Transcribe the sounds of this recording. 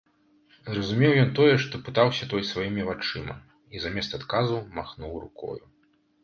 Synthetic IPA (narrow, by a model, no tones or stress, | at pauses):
zrɐzumʲɛwjɔnt̪ɔjɛʂt̪ɔpɨt̪awsʲɐt̪ɔjsvajimʲivat͡ʂɨmɐ̰ | izamʲɛst̪at̪kazumaxnuwɾṵkɔ̰ju